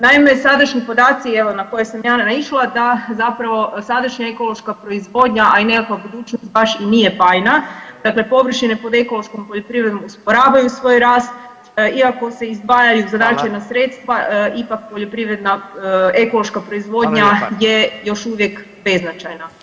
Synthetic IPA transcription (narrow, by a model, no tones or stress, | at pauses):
naime̞sad̪aʃɲipo̞d̪aːt̪sieʋo̞nako̞jesamjaːnaiʃlˠad̪azapɾaʋo̞sad̪aʃɲaeko̞lˠo̞ʃkapɾo̞izʋo̞ːd̪ɲaʔaine̞kakʋabud̪uːt͡ʃnost̪̚baʃinijepaːjnad̪akle̞po̞ʋr̩ʃinepo̞d̪e̞ko̞loʃkompo̞ʎo̞pɾiʋɾed̪nomuspo̞ɾaːʋajusʋo̞ːjɾaːst̪̚ | iako̞se̞izd̪bajajuzad̪at͡ʃajnasɾe̞t̪st̪ʋaipak̚poʎo̞pɾiʋɾe̞d̪naeko̞loʃkapɾo̞izʋo̞d̪ɲaje̞jo̞ʃuʋje̞k | be̞znat͡ʃajna